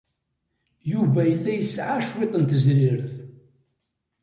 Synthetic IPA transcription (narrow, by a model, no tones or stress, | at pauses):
juvæjəlːæjəsʕaʃwet̪ˤənt̪əzɾɪɾθ